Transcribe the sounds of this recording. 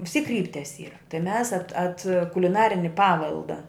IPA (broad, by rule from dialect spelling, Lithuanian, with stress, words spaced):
ʋʲɪs tʲiːk ˈkrʲiːpʲtʲɛs ˈiːrɐ tɐɪ mʲɛs ɐt ɐt kʊlʲɪˈnɑːrʲɪnʲɪ ˈpɑːʋʲɛlˠdɐ